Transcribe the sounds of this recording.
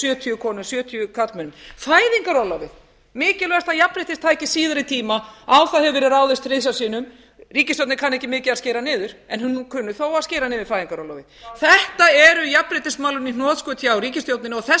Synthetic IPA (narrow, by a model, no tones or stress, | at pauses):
sjœːt̪ʰyʏkʰɔːnʏsjœːt̪ʰyʏkʰat̪lmɛnʏmfaːjðiŋkaɾɔwlawvɪð | mɪːcɪlœɣst̪ajapɾɪt̪ɪst̪ʰaːjcɪsiːðaɾɪt̪ʰiːmaawθaðhɛvɪɾɪɾaːwðɪst̪resasiːnʏm | riːcɪst̪jowt̪nɪkʰanːɛhcɪmɪːcɪðasceːjɾanɪːðʏɾ̥ɛnhʏnːkʰʏnːʏθowaðsceːɾanɪːðɪɾ̥fajðiŋkaɾɔla̰wvɪðθɛht̪aɛɾʏjapːɾɪjt̪ɪsmaːwlʏninɔːðskʏːt̪ʰjaawɾiːcɪst̪jowt̪nɪnɔɣθɛ